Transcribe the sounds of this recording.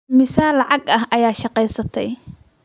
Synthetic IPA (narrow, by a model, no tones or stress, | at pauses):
mɪsaːlːɑʕɑɡɐɦʔɐjaːʃɑqɛjsɐt̪ʰɛj